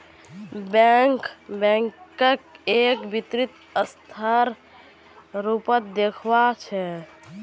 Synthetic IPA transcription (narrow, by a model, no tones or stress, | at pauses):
bɛŋkbɛ̃ŋkəkekbit̪ɾit̪ | əst̪ʰəɾ | ɾupət̪̚d̪ekʰbat͡ʃʰɛ